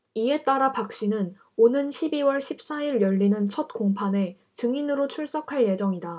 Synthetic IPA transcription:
ie̞t͈aɾapak̚ɕ͈inɯn | onɯnɕʰibiwʌɭɕʰip̚s͈aiɾjʌʎːinɯnt͡ɕʰʌt̚koŋpʰane̞ | t͡ɕɯŋinɯɾot͡ɕʰuɭs͈ʌkʰaɭje̞d͡ʑʌŋida

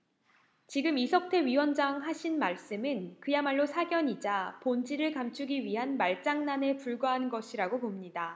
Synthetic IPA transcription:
t͡ɕiɡɯmisʰʌk̚tʰe̞ɥiwʌnd͡ʑaŋɦaɕʰinmaɭs͈ɯmɯnkɯjamaɭːosʰaɡjʌɲid͡ʑapond͡ʑiɾɯɭkamt͡ɕʰuɡiɥiɦanmaɭt͡ɕ͈aŋnane̞puɭɡwaɦanɯnɡʌɕʰiɾaɡopomɲida

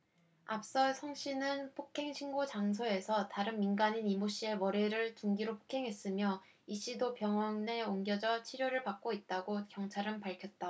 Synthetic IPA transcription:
ap̚s͈ʌsʰʌŋɕ͈ʰinɯnpʰokʰe̞ŋɕʰinɡot͡ɕaŋs̬ʰoe̞sʰʌtaɾɯnminɡaɲinimuɕ͈ie̞mʌɾeɾɯɭtuŋɡiɾopʰo̥kʰe̞ŋɦe̞s͈ɯmjʌ | iɕ͈idopjʌŋwʌŋne̞oŋɡjʌd͡ʑʌt͡ɕʰiɾjoɾɯɭpak̚k͈oit̚t͈aɡokjʌŋt͡ɕʰaɾɯnpaɭkʰjʌt̚t͈a

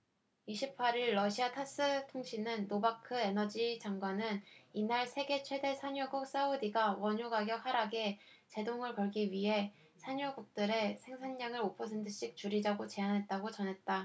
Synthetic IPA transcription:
iɕʰipʰaɾiɭːʌɕʰiatʰas͈ɯtʰoŋɕʰinɯnːobakʰɯe̞nʌd͡ʑid͡ʑaŋɡwanɯninaɭsʰe̞ɡe̞t͡ɕʰwe̞de̞sʰaɲuɡuk̚s͈audiɡawʌɲuɡaɡjʌk̚haɾaɡe̞ | t͡ɕe̞doŋɯɭkʌɭɡiɥiɦe̞ | sʰaɲuɡuk̚t͈ɯɾe̞sʰe̞ŋsʰaɲɲaŋɯɾopʰʌsʰe̞ntʰɯɕ͈ik̚t͡ɕuɾid͡ʑaɡot͡ɕe̞anɦe̞t̚t͈aɡot͡ɕʌnɦe̞t̚t͈a

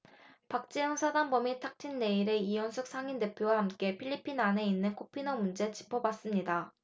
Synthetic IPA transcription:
pak̚t͡ɕ͈ejʌŋsʰadanbʌmitʰak̚tʰinːe̞iɾe̞ijʌnsʰuk̚sʰaŋinde̞pʰjowahamk͈e̞pʰiʎːipʰinane̞inːɯnkʰopʰinʌmund͡ʑe̞t͡ɕi̥pʰʌbas͈ɯmɲida

